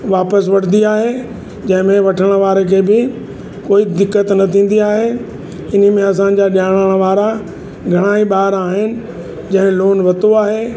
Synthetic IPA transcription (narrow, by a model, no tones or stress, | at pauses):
ʋaːpəs̬ʋɐʈʰnd̪iaːɦe | d͡ʑɐ̃ɦɪ̃mẽʋɐʈʰəɽ̃ʋaːɾekʰeːbɪ | koːid̪ɪkːət̪nɐt̪ʰĩːn̆d̪iaːɦe | ɪn̤ə̆mẽɐs̬ã̆d͡ʑaɗaːɽ̃əɽ̃ʋaːɾa | ɡʱɐɽ̃aːiɓaːɾaːɦɪnɪ̆ | d͡ʑɐ̃ɦɪ̃loːnʋɐt̪oaːɦeː